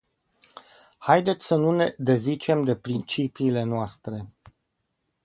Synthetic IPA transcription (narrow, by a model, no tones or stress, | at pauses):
hajd̪e̞t̪sʲsənune̞d̪e̞zit͡ʃe̞md̪e̞pɾint͡ʃipiːle̞noast̪ɾe̞